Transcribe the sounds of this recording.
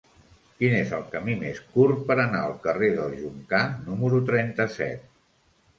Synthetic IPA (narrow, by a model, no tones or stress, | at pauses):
kinezəlˠkəmimeskurpəɾənaəlˠkəreðəlˠʒuŋkanuməɾut̪ɾɛnt̪əsɛ̰t̪̚